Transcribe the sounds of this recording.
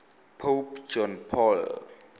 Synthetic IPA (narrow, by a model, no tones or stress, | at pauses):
pʰopt͡ɕɔnpʰɔl